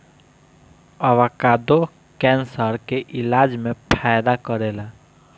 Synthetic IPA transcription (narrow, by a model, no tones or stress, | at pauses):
əʋakaːd̪o | kɛ̃ːnsəɾkeʔɪlaːd͡ʒmẽpʰaːjd̪akəɾeːlaː